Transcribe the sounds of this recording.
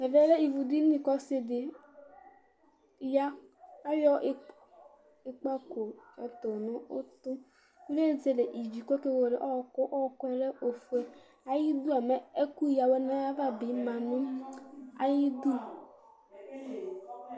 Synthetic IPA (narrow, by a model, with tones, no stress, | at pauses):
ɛ˨ve˦le˦i˨vu˨di˦i˦˨kɔ˦se˦dɪ˨ | ja˦a˦jɔ˦ʔ | e˨k͡pa˦ko˨ɔ˨to˨nʊ˦ʊ̰˦tʊ˦ | ve˦˨ze˨le˨ʔi˨d͡ʒi˨ko˦ke˦wo˨ɾe˨ʔɔ˦˨kʊ˦ʔɔ˦˨kʊ˦˨ɾe˦ʔo˨fu˨e˦ | a˨ji˦du˦a˨mɛ˦e˦ku˦˨ja˨wɛ˦na˦ja˦va˦bi˨˦ma˨nʊ̃˦ | a̰˨ji˦du˦